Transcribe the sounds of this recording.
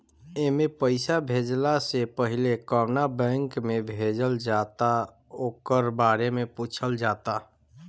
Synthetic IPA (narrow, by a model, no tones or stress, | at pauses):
emepəɪsabʱed͡ʒlasepəɦilekəmnabɛ̃ŋkmebʱed͡ʒəld͡ʒat̪a | okəɾbaɾemeput͡ʃʰəld͡ʒat̪a